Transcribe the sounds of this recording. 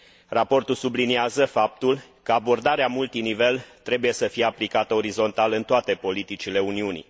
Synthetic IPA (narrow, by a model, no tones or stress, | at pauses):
rapo̞rt̪ulsubliniazəfap̚t̪ulkəabo̞rd̪aɾeamult̪inive̞lt̪ɾe̞buje̞səfije̞aplikat̪əo̞ɾizo̞nt̪alɨnt̪oat̪e̞po̞lit̪it͡ʃile̞uniunḭ